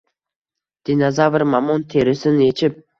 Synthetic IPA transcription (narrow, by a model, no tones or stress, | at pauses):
d̪̥inɑzavɪɾmɑmont̪ʰeɾɪsɪnet͡ʃʰɪp̚